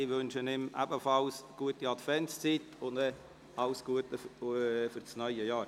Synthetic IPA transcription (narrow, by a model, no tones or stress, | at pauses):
ɪʋɵnʃənɪmʔæ̰bəfɑlsɡ̥uətiɑtfɛnst͡sitʊndɛ | ɑlsɡ̥uətəfʏɾsnœʏəjɑːɾ